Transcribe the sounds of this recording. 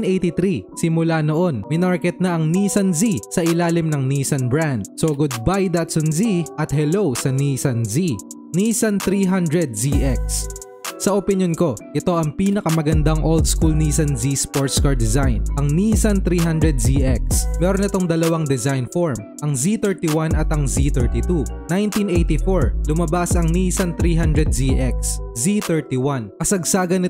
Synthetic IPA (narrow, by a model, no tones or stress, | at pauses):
nʔejt̪it̪ɾisɪmʊlanoʔo̞nmɪnaɹkɛt̪̚nɐʔɐŋniːsɐnzisɐʔɪlaːlɪmnɐŋniːsɐnbɹand̪̚soɡʊd̪̚bajd̪at̪sɔnziʔɐt̪hɛlowsɐniːsɐnzi | niːsɐnt̪ɾiːɦand̪ɾɛd̪̚ziʔɛk̚s | sɐʔopɪnjonko̞ʔɪt̪o̞ʔɐŋpiːnɐkɐmɐɡɐnd̪ɐŋʔold̪̚skulniːsɐnzispoɹt̪skɐɹd̪ɛzajnʔɐŋniːsɐnt̪ɾiːɦand̪ɾɛd̪̚ziʔɛk̚smɛːɾonɪt̪o̞ŋd̪ɐlɐwaŋd̪ɛzajnfoɹm | ʔɐŋzit̪ɛɹt̪iwanɐt̪ɐŋzit̪ɛɹt̪it̪unajnt̪inʔejt̪ifoɹlʊmɐbasɐŋniːsɐnt̪ɾiːɦand̪ɾɛd̪̚ziʔɛk̚s | zit̪ɛɹt̪iwankɐsɐɡ̚saːɡɐnɪ